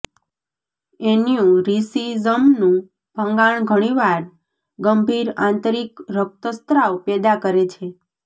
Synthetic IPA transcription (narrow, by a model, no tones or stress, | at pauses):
enijũɾisizəmnũ | b̥ʱə̃ŋɡaɳ̃ɡʱəɽ̃iʋaɾ | ɡəmbʱiɾãnt̪əɾikɾək̚t̪əst̪ɾawpɛd̪akəɾet͡ʃʰe